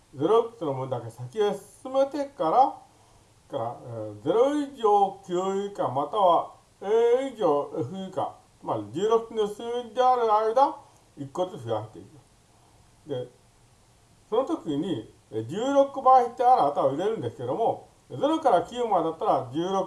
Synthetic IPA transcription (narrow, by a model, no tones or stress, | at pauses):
d͡ze̞ɾosonomɯ̃nd̪akesakʲiesɨ̥sɨme̞t̪e̞kaɾa | kaɾad͡ze̞ɾoiʑo̞ːkʲjɨːikamat̪aβa | eːiʑo̞ːeɸɯika̰ | t͡sɨmaɾʲid͡ʑɨːɾo̞kɯ̥kʲinosɨːiɲʲd̪eaɾɯ̟aid̪a | ikːo̞t͡sɨɸɯjaɕit̪ːeit̪a | d̪e̞ | so̞no̞t̪o̞kʲiɲ̟i | d͡ʑɨːɾo̞kɯ̟baçit̪ːeaɾɯat̪aoiɾe̞ɾɯ̟̃nd̪esɨ̥ked̪o̞mo̞ | d͡ze̞ɾo̞kaɾakʲɨːmad̪at̪ːaɾad͡ʑɨːɾok